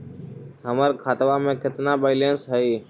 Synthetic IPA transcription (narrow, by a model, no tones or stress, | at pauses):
ɦəməɾkʰaːt̪ʋamẽːkɪt̪nabəɪlensɦəiː